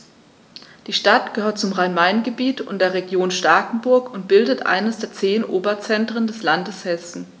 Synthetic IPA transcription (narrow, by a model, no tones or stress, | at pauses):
d̥iːʃtatɡ̥əhøːɐt̚t͡sʊmʁaɪnmaɪnɡəbiːtʰʊ̰ntd̥eːɐʁ̞eɡjoːnʃtaːkŋ̩bʊɐkʊnt̚b̥ɪldətʔa̰ɪnəsd̥eːɐt͡seːnʔoːbɐt͡sɛntʁ̥əndɛslandəshɛsn̩